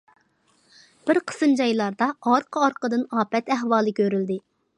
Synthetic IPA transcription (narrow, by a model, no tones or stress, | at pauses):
b̥ɪɾqʰə̥sɨnd͡ʒɑjlˠɑɾd̪ɑɑɾqʰəɑɾqəd̪ɨnɑːpɛt̪ɛɦwɑːlˠɨkʲʰøɾyld̪ɪ